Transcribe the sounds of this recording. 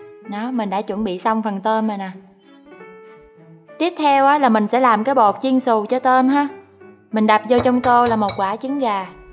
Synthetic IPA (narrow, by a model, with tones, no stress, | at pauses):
ɗɔ˨˦mï˨˩ŋ̟ɗa̰ː˧˥t͡ɕwə˧˩nɓḭ˧˨sa˧wŋ͡mfə˨˩nt̪əː˧nmə˨˩na˨˩ | t̪i˦˥əp̚t̪ʰɛ˧wʔaː˨˦laː˨˩mï˨˩ŋ̟sɛ̰˧˥laː˨˩mkaː˨˦jɓo˨˩t̚t͡ɕi˧ənsu˨˩t͡ɕɔ˧t̪ə˧mɦaː˧ | mï˨˩ŋ̟ɗa˨˩p̚zɔ˧t͡ɕɔ˧wŋ͡mt̪o˧laː˨˩mo˨˩t̚kwaː˧˩t͡ɕi˨˦ŋɣaː˨˩